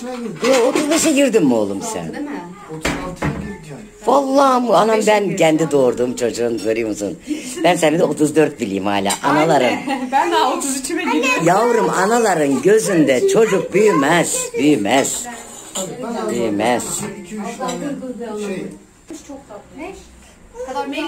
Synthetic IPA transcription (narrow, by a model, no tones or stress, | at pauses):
buaot̪ʰuzbiʃaɟiɾd̪imːolˠumsæ̰n | valˠːaːmanambæncʰɛnd̪id̪o̞ːɾd̪uːmt͡ʃʰo̞d͡ʒuːnvøɾyjumsṵnbænsɛnid̪ɛo̞t̪ʰuzd̪øɾt̪̚bilʲḭjimha̰ːlʲa̰ːʔanalˠaɾɯn | t̪ʰ | javɾɯmanalˠaɾɯnɟø̞zynd̪ɛt͡ʃʰo̞d͡ʒuk̚byjymɛz̥byjmɛz̥ | byjmɛz̥